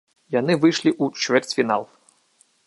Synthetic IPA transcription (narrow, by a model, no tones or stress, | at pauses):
janɨvɨjʂlʲiʔut͡ʂvʲɛrt͡sʲfʲina̰lˠ